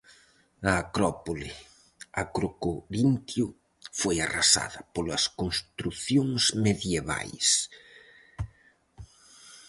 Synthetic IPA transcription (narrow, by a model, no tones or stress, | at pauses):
ɐːkɾɔpolɪ | akɾokoɾint̪jʊ | fojarasa̰ðɐpolɐskonst̪ɾuθjoŋsmeðjeβa̰js